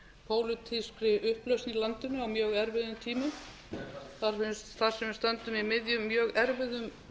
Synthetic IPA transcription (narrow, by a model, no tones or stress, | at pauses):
pʰoːwlɪt̪ʰɪspɾɪʔʏhplœwsnilant̪ʏnːʏawmjœːɣɛɾvɪðʏmt̪ʰiːmɪ | θaɾ̥fɪnst̪θaɾ̥sɛmvɪɾst̪œnt̪ʏmimɪðjʏmːjœːɣɛɾvɪðʏm